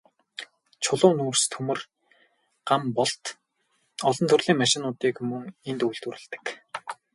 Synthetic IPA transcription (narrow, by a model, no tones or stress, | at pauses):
t͡ɕʰʊɮʊːnuːrst̪ʰɵmɘ̆r | ɢ̥ampɔɮt̪ | ɔɮɞ̆nt̪ʰɵrɮiːŋmaʃɪ̆nʊːt̪iːkmɵŋent̪ujɮt̪ŭɾɘ̆ɮt̪ɘ̥̆k